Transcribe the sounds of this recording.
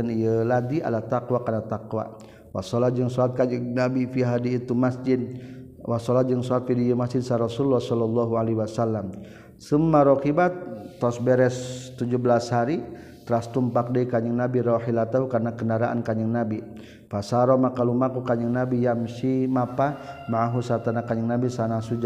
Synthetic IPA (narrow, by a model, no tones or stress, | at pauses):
ənijəlad̪iʔa̰lat̪akwakarnat̪akwa̰ | wa̰sɔlad͡ʒəŋsɔat̪̚kaɲəŋnabifiɦadiːt̪umasd͡ʒɪd̪̚ | wasɔlad͡ʒəŋsɔat̪̚fidiəmasd͡ʒɪd̪̚saɾɔsuulːahsɔlɔlːɔɦualeɦwasalːam | səmːaɾɔkibat̪ːɔsbɛɾɛst̪ud͡ʒubəlashaɾi | t̪ɾast̪umpak̚daikaɲəŋnabiɾɔhilat̪aɦukarnakəndaɾaʔa̰nkaɲəŋnabi | fasaɾɔmakalumakukaɲəŋnabijamsimapamaɦusat̪anakaɲəŋnabisanasud͡ʒa